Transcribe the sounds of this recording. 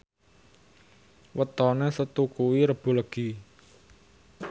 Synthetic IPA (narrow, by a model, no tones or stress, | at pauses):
wət̪ɔnesət̪ukuwiɾəb̥ṳləɡ̥i